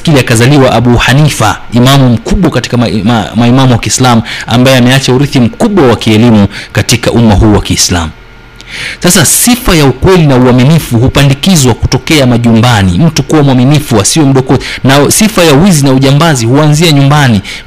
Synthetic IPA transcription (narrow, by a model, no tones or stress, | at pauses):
kiliakazaliwaʔaɓuhanifa | imamum̩kuɓwakati̥kamaimamuwakiːslamua̰mbajɛamɛat͡ʃauɾiθim̩kuɓwawakiɛlimukatika̰ʔumahuːwakiːsla̰mu | sasasifajaukwɛlinauaminifuhupandikizwaku̥tɔkɛamaʄumbanḭm̩tukuwamwaminifuasiwɛm̩ɗɔkɔnasifajauwizinauʄambazihuanziaɲumbani